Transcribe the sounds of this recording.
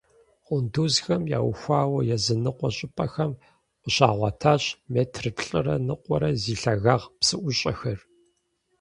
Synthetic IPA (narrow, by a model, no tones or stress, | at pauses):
qʷʼʊnduzxɐmja̰ːwxʷɑːwɐjɛzɨnɨqʷɔɕʼɪpʼɐxɐm | qʷəɕaːʁʷɑtʰaːɕmeːtʰrɨpʰɬʼɨrɐ̰nɨqʷʼɔɾɐziːɬɐɣaːʁpsɨʔʷʊɕʼɐxɐr